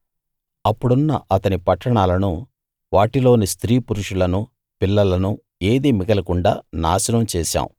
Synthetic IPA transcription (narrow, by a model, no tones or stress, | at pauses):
ɐpːuɽunːɐ̰ʔɐt̪ɐnipɐʈːɐɳaːlɐnu | ʋaːʈilo̞ːnist̪ɾiːpuɾuʂulɐnu | pilːɐlɐnu | eːd̪iːmiɡɐlɐkuɳɖaːna̰ːsɐnɐmt͡ʃɛːʃa̰ːm